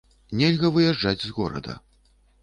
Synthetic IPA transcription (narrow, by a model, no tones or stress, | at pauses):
nʲɛlʲɣɐvɨjɛʐd͡ʐad͡zʲzɣɔɾɐ̰d̪ɐ̰